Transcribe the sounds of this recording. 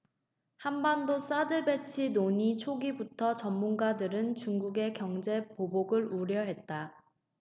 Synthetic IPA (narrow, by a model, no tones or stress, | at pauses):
hambandos͈adɯbe̞t͡ɕʰinoɲit͡ɕʰoɡibutʰʌt͡ɕʌmːunɡadɯɾɯnt͡ɕuŋɡuɡe̞kjʌŋd͡ʑe̞poboɡɯɭuɾjʌɦe̞t̚t͈a